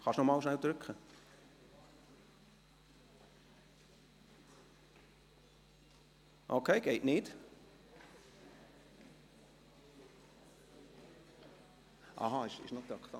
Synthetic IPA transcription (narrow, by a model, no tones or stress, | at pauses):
χɑʃnɔmɑːlʃnæld̪ɾʏkχə | ʔokʰeɪɡ̥eɪʔnɪd̥ | ʔɑ̰ɦɑɪʃɪ̰ʃnot̪ɑkχt̪ɑ